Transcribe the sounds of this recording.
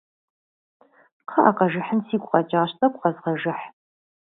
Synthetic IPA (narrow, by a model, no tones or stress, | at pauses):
qʰɐʔaːqɐʒɪħənsiːɡʷʼqʼɐt͡ʃʼaːɕtʼɐkʷʼqɐzʁɐʒɪħ